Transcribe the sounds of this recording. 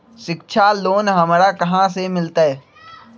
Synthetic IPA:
ʃɪk̚ʃʰaloːnɦɐmɾakɐɦãsemɪlt̪aɦɛː

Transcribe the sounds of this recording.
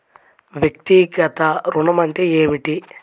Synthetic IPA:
ʋjɐk̚t̪iɡɐt̪ɐɾuɳɐmɐnt̪eeːʋiʈi

